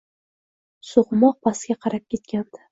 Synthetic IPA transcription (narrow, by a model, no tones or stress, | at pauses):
soʁmɒq̚pʰaskʲaqʰɑɾap̚kʲe̞t̪kʲand̪̥ɪ